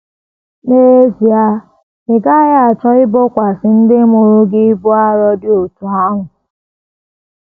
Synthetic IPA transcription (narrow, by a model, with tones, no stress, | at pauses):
ne˦e˦zi˨a˦ | ɪ˨ɡa˦ja˦˨a˨t͡ʃɔ˦ɪ˦bʊ˦kʷa˨sɪ˦n̩˦dɪ˦mʊ˨ɾʊ˦ɡɪ˦bʊ˦a˦ɾɔ˦dɪ˦o˨tu˨a˦ŋʊ˨